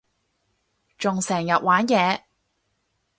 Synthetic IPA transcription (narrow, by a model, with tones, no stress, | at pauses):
t͡ʃʊ˨ŋsɛː˨˩ŋjɐ˨t̚waː˨˥njɛː˨˧